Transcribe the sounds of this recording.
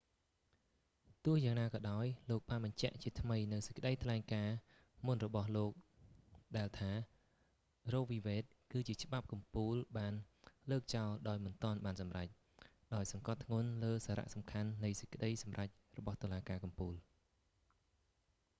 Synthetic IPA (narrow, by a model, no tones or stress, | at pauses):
t̪ʊəhjaːŋnaːkɑːɗaɔjloːk̚ɓaːnɓɑɲt͡ɕɛ̆əʔt͡ɕiət̪ʰməjnɨwsə̥c̚kə̆ɗəjt̪ʰlaɛŋkaː | munrɔɓɑhloːk̚ɗaɛlt̪ʰaː | rɔːk̚ʋiːʋɛːt̪̚kɨːt͡ɕiət͡ɕə̆ɓap̚kɑmpuːlɓaːnləːk̚t͡ɕaɔlɗaɔjmɨnt̪ŏənɓaːnsɑmrac̚ | ɗaɔjsɑŋkɑt̪ʰːŋʊ̆ənləːsaːɾa̰ʔsɑmkʰanːɨjsə̥c̚kə̆ɗəjsɑmrac̚ | rɔɓɑht̪ŏəlaːkaːkɑmpuːl